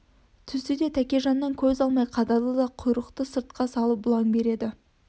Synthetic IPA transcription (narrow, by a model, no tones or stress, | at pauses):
t̪ʰʏsɪd̪e̞t̪ʰækʲe̞ʒɑnːɑŋkʲʰɵzɑlˠmɑjqʰɑd̪ɑlˠəd̪ɑqʰʊjɾəqt̪əsəɾt̪̚qɑsɑlˠəp̚bʊlˠɑŋbe̞ɾe̞d̪ɪ